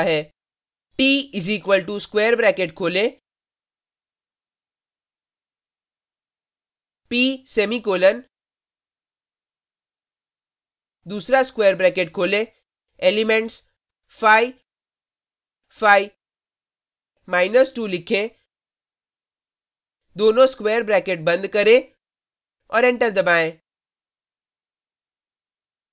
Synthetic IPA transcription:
ɦɛ | ʈiːiziːkʋəlʈuskʋeːəɾbɾɛːkeʈkʰoːle | piːsemikoːlən | d̪uːsɾaskʋeːəɾbɾɛːkeʈkʰoːle | eːlɪmẽɳʈs | fʰaːi | fʰaːi | maːɪnəsʈuːlɪkʰe | d̪oːnõskweːəɾbɾɛːkeʈ̚bə̃nd̪kəɾẽ | ɔːɾẽɳʈəɾd̪ɐbaːẽː

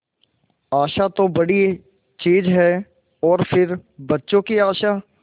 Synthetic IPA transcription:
aːʃaːt̪õːbəɽiː | t͡ʃiːzɦɛː | ɔːɾpʰɪɾbətːʃõːkiːaːʃaː

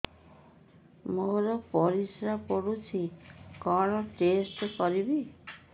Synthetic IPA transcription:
moɾɔpɔɾisɾapɔɽut͡ʃʰikɔɽ̃ɔʈesʈkɔɾibi

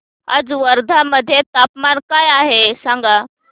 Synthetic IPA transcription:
a̰d͡zʋəɾd̪ʱaməd̪ʱːjet̪apmankajaɦesaŋɡa

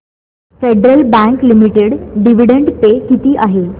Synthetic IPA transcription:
feɖɾəlbæ̃ŋklimiʈeɽɖiʋiɽeɳɖpekit̪iːʔaɦe

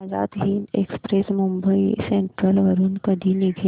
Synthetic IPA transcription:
za̰ːt̪ɦiːnekspɾesmʊ̃mbəisẽɳʈɾəlʋɐɾunkɐd̪ʱiniɡʱe

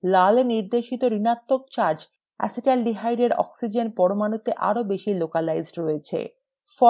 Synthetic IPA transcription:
laleniɾd̪eʃit̪oɾinat̪ːok̚t͡ɕaɾd͡ʑ | ɛ̰siʈalɖiɦajɖeɾɔ̰ksid͡ʑenpɔɾomanut̪eʔa̰ɾobeʃilokalajzɖɾoet͡ɕʰḛ | fɔ

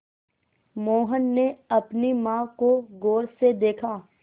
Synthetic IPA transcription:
moːɦənːeɐpnimãːkoɡoːɾsed̪eːkʰaː

